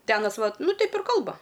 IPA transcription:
tʲɪ ˈɑːnɐs ˈʋɐt ˈnʊ ˈtʲɛɪp ɪr ˈkɐlˠbɐ

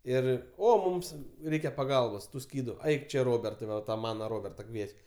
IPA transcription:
ˈɪr ˈoː ˈmʊms ˈrʲɛɪkʲɛ pɐˈɡɐlˠboːs ˈtuː ˈsʲkʲiːdʊ ˈɐɪk ˈt͡ʃʲɛ ˈroːbʲɛrtɐɪ ˈʋɐ tɐ ˈmɑːnɐ ˈroːbʲɛrtɐ ˈkʋʲiɛt͡ʃʲ

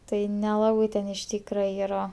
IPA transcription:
ˈtɐɪ nʲɛˈlˠɑːbɐɪ tʲɛn ɪʃ ˈtʲiːkrɐ ˈiːrɐ

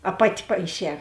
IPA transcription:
ɐ ˈpɑːtʲɪ pɐɪˈʃʲɛː

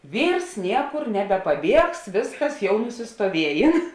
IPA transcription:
ˈʋʲiːrs ˈnʲiɛkʊr nʲɛbʲɛpɐˈbʲiɛks ˈʋʲeːsˌkɐs jɛʊ nʊsʲɪstoːˈʋʲiɛjeːn

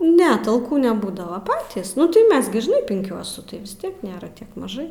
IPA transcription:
nʲɛ tɐlˠˈkuː nʲɛˈbuːdɐʋɐ ˈpɑːtʲiːs nʊ tɐɪ ˈmʲɛs ɡʲɪ ʒʲɪˈnɐɪ pʲɪŋʲˈkʲuɔsʊ ʋʲɪs ˈtʲiɛk ˈnʲeːrɐ ˈtʲiɛk mɐˈʒɐɪ

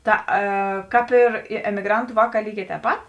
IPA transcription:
ˈtɐ ɛ ˈkɑːp ɪr ˈɪ ɛmʲɪˈɡrɐntʊ ˈʋɑːˌkɑː ˈlʲiːˌɡʲɛː tʲɛːp ˈpɐt

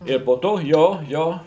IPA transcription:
ɪr poː ˈtoː ˈjoː ˈjoː

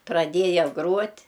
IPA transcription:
prɐˈdʲeːjɛ ˈɡruɔtʲ

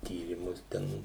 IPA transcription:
ˈtʲiːrʲiːmʊs ˈtʲɛn

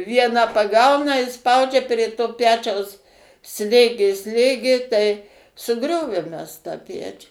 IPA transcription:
ˈʋʲiɛnɑː pɐˈɡɐʊnɐ ɪ ˈspɐʊd͡ʒʲɛ pʲrʲeː toː ˈpʲæːt͡ʃʲɛʊs ˈsʲlʲeːɡʲeː ˈsʲlʲeːɡʲeː tɐɪ sʊˈɡrʲoːʋʲeːm ˈmʲɛs tɑː ˈpʲæːt͡ʃʲuː

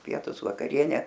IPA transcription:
ˈpʲiɛtʊs ʋɐkɐˈrʲiɛnʲɛ

